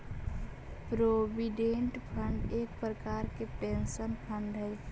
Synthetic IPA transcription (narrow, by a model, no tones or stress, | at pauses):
pɾoːʋiɖẽɳʈpʰəɳɖeːk̚pɾəkaːɾkepẽːnʃənpʰə̃ɳɖɦɛː